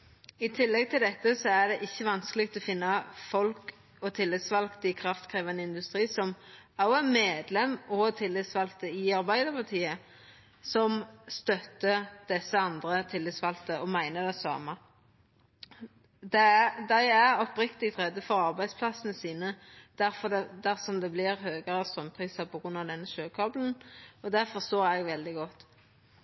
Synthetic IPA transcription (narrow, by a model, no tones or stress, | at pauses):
ɪt̪ʰɪlːɛɡ̚t̪ʰɪld̪ɛt̪ːəsɔæd̪ɛʔɪçːəʋɑnskəlɪk̚t̪ɔfɪnːɑfɔlk | ɔt̪ʰɪlːɪt̪sʋɑlkt̪əɪkʰɾɑft̪kʰʁeːʋɑnəɪnd̪ʉst̪ɾiːsɔmɑæmeːd̪lɛmːɔt̪ʰɪlːɪt̪sʋɑlkt̪əɪɑɾbæɪd̪əɾpʰɑʁt̪ʰiːə | sɔmst̪œt̪ːəd̪̥ɛsːəɑnd̪ɾət̪ʰɪlːɪt̪sʋɑlt̪əɔmæɪnəd̪ɛsɑ̰ːmə | d̪ɛd̪æɪæɾɔpɾɪkt̪ɪɡt̪ʁɛd̪ːəfɔɾɑʁbæɪd̪spʰlɑsənəsiːnəd̪̥æɾfɔd̪ɛd̪æɾsɔmd̪ɛblɪɾhøːɡəɾəst̪ɾʁœmpʰɾʁiːsɑpʰɔɡʁʉnːɑʋd̪ɛnːəʃøːkʰɑbln̩ɔd̪æfɔst̪oːɾɛɡʋɛld̪ɪɡɔt̪ː